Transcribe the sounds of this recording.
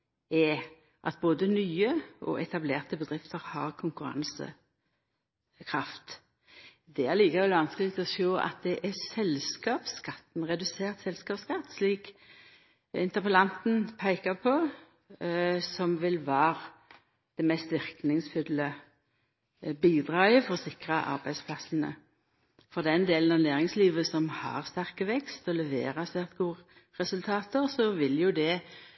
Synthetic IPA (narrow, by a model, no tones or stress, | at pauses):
ɛ | ʔɑ̰t̪̚boːd̪ənyːəʔɔ̰ʔɛt̪ʰɑbleːʁt̪əbəd̪ʁɪft̪ʰəʁhɑːʁkʰʊŋkʉɾɑ̰nsə̰ | kʰʁɑft̪ | d̪ɛæʁliːkɑʋɛlʋɑnsklɪk̚t̪ɔsoːʔɑ̰t̪̚d̪ɛʔɛsɛlskɑːpskɑt̪ːnʁɛd̪ʉseːʁt̪sɛlskɑːpskɑt̪ːsliːk | ɪnt̪əpəlɑnt̪n̩pʰæɪkɑpʰɔ | sɔmʋɪlʋɑːʁ | d̪̥ɛmɛst̪ʋɪʁknɪŋsfʏlːə | biːd̪ʁɑːəfɔʁsɪkɾɑʔɑ̰ʁbæɪspʰlɑsənə̰ | fɔʁd̪ɛnd̪eːlən̩ɑnæːʁɪŋsliːʋəsɔmhɑ̰ʁst̪æʁkəʋɛkst̪ɔlɛʋḛːʁɑsɛʁt̪ɡuː | ʁɛsʉlt̪ʰɑːt̪əʁsɔʋɪljʊd̪ɛ